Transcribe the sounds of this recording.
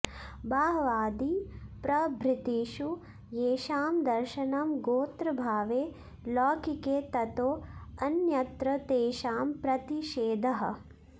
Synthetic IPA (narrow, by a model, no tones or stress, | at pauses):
bʱaːɦɐʋaːd̪ipɾɐbʱɾɪt̪iːʃu | jeːʃaːmd̪ɐɾʃɐnamɡoːt̪ɾɐbʱaːʋeː | laːkikeːt̪ɐt̪oːɐnjɐt̪ɾɐt̪eːʃaːmpɾɐt̪iʃeːd̪ʱɐɦɐ̰